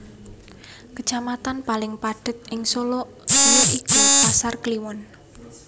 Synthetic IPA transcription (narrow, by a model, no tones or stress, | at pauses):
kət͡ʃamat̪anpalɪŋpaɖ̥ə̤t̪̚ʔɪŋsolo | soloʔikupasarkliwɔn